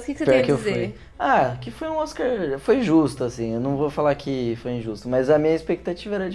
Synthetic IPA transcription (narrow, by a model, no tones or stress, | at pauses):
skɪsepɛɾkɪewfuj | akɪfojũɔskaɾfoj̃ʒust̪ʊasĩewnɐ̃w̃vofalaɾkʰɪfojĩʒust̪ʊmɐzɐmĩɲɐispek̚t̪at͡ʃivɐɛɾɐd͡ʒ